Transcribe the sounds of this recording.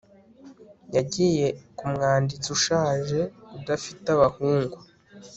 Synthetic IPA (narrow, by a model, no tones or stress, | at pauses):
jaɟiːje̞kumŋaːndit͡suʃaːʒe̞udafitaβahuːŋɡwu